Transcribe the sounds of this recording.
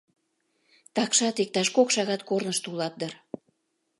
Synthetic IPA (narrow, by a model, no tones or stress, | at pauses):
t̪ɑkʃɑt̪ek̚t̪ɑʃkokʃɑɣɑt̪kornəʃt̪ulɑt̪̚d̪ər